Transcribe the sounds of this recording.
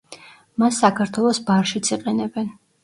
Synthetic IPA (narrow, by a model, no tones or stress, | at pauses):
masːakʰaɾt̪ʰwɛlˠɔsbaɾʃit̪sʰiqʼɛnɛbɛn